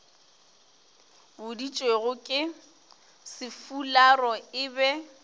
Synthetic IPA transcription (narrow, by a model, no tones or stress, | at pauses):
bʊdit͡ʃʼweɣʊkʼɪ | sɪfularɔɪbɛ